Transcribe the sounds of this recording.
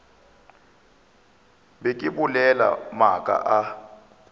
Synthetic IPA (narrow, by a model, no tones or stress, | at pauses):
bekʼiɓulɛla̰makʼa̰ʔa